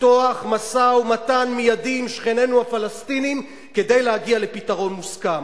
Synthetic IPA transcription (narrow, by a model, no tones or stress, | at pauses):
toaχmasaumatanmijadimʃχene̞nuhafalast̪inim | ke̞de̞jlehaɡiale̞pitaʁo̞nmuskam